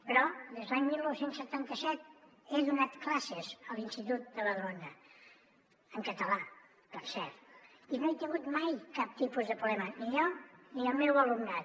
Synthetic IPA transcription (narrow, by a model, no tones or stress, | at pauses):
pəɾɔdðezd̪laɲmilˠnɔwsensːət̪ant̪əsɛt̪ | eðunat̪klasəzəlˠinst̪it̪ut̪̚d̪əβəðɾonə | əŋkət̪əla | pəɾsɛɾt̪ | inoet̪iɣut̪majkap̚t̪ipuzðəpulɛmənijɔniəlˠmɛwəlumnat̪